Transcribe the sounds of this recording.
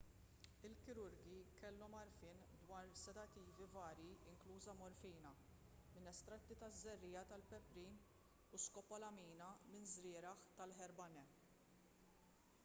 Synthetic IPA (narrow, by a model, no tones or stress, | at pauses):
ɪlkɪɾʊɾɡikɛlːɔmɐɾfɪːn | d̪wɐːɾsɛt̪ɐt̪ːiːvivɐːɾjiɪŋkluːzɐmɔɾfiːnɐmɪnɛst̪ɾɐt̪ːit̪ɐzːɛrːiːjɐt̪ɐlpɛpɾiːn | uskɔpːɐlɐmiːnɐmɪnzɾɪːɾɐħt̪ɐlħɛɾbɐnɛ